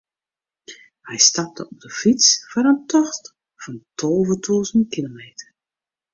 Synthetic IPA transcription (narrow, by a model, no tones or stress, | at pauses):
hɛjstɑp̚təɔb̚dəfit͡sfɔɾəntʰɔxt | fɔntʰolˠvətʰuːzənt̚kilomeːtər